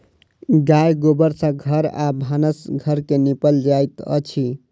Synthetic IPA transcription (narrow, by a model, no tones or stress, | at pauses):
ɡajɡobəɾsə̃ɡʱəɾa̰bʱanəsɡʱəɾkenipəld͡ʒajt̪ə̰t͡ʃʰi